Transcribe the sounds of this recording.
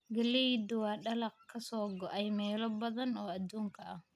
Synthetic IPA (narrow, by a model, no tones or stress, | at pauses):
ɡɐlijd̪ʊwɑːɖɐlɑqkʰɐsɔːɡɔʔɛjmɛːlɔbɐðɐnɔːɐd̪uːŋkʰɐʔɐh